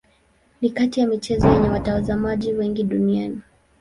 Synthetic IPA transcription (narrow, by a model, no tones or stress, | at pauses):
nikatijamit͡ʃɛzɔjɛɲɛwatazamaʄiwɛŋɡiɗuniani